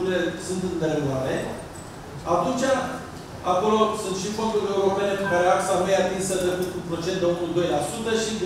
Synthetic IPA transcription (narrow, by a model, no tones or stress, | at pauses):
ɾilesɨnt̪ɨnd̪eleoaɾe | at̪unt͡ʃa | ako̞lo̞sunt̪ʃifo̞nd̪uɾie̞uɾo̞pe̞ne̞pekaɾeaksamejat̪insət̪ɾekut̪kupɾo̞t͡ʃe̞nt̪d̪eunud̪o̞jlasut̪əʃid̪